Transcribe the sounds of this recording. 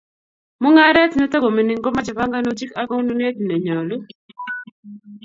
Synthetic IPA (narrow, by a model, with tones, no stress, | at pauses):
mʊ˦ŋa˦ɾɛ˦t̪nɔ˦to˦ɡo˨me˨ni˨ŋɡo˦ma˦d͡ʒa˨ba˦ŋɡa˦no˦d͡ʒi˦ka˦kɔ˦nu˦n˦e˦t̪ne˨ɲɔ˨lu˦